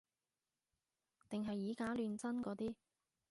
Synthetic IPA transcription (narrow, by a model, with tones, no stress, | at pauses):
t̪ɪ˨ŋɦɐ˨jːiː˨˥kaː˨˥lyː˨˧nt͡sɐ˥nkɔː˨˥t̪iː˥